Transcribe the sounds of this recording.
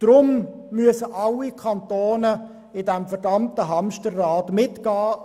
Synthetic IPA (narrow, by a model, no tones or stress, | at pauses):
d̥ɾʊm | myəsəʔɑlːikʰɑntoːnə | ɪdɛmfɛɾdɑmtəɦɑmʃtərːaːtmɪtɡ̥ɑː